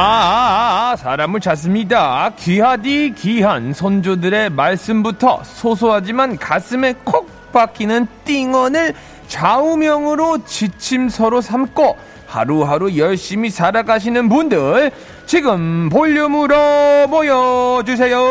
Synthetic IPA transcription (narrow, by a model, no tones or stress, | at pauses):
a | sʰaɾamɯɭt͡ɕas̬͈ɯmɲidakiɦadikiɦansʰond͡ʑodɯɾe̞maɭs͈ɯmbutʰʌ̰sʰosʰoɦad͡ʑimankas͈ʰɯme̞kʰok̚p͈akʰinɯnt͈iŋwʌnɯɭ | t͡ɕaumjʌŋɯɾot͡ɕit͡ɕʰimsʰʌɾosʰamk͈ʰo | ha̰ɾuhaɾujʌɭɕ͈imisaɾaɡaɕ̬ʰinɯnpundɯɭ | t͡ɕiɡɯmpoʎːumɯɾʌbojʌd͡ʑus̬ʰe̞jo